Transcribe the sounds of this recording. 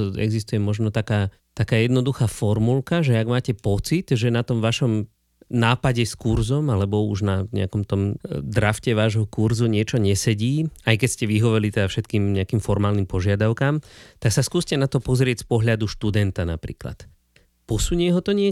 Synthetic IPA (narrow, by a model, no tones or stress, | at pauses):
ɛ̰ɡzist̪ujɛmɔʒnɔt̪akaː | t̪akaːjɛd̪nɔd̪uxaːfɔɾmulkaʒɛaɡmaːcɛpɔt͡sid̪ʒɛnat̪ɔmʋaʃɔm | naːpaɟɛskuɾzɔmalɛbɔuʒnaɲɛ̰akɔmt̪ɔmd̪ɾafcɛʋaːʒɦɔkuɾzuɲɪɛt͡ʃɔɲɛsɛɟiːajkɛscɛʋiɦɔʋɛlit̪ɛd̪afʃɛt̪kiːmɲɛakiːmfɔɾmaːlnimpɔʒɪad̪aʊkaːmt̪aksaskuːscɛnat̪ɔpɔzɾɪɛcspɔɦʎad̪uʃt̪ud̪ɛnt̪ana̰pɾḭːkla̰t̪ | pɔsuɲɛɦɔt̪ɔɲɪɛ